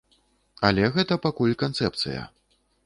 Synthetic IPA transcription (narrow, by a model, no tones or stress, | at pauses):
a̰lʲɛɣɛt̪ɐpakulʲkant̪sɛp̚t̪sɨ̰jɐ̰